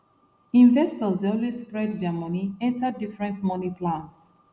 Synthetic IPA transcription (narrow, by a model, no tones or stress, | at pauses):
ĩɱvɛstɔzdeɔlwesspɹɛdd͡ʒɛmɔniɛ̃ntadifɹɛ̃ntmɔnipʰlãns